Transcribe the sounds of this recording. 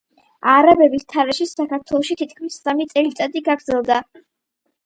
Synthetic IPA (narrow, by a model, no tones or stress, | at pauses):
aɾabɛbist̪ʰaɾɛʃisakaɾt̪ʰwɛlˠɔʃit̪ʰit̪̚ʰkʰmisːamit̪sʼɛlit̪ʼad̪iɡaɡɾd̪zɛlˠd̪a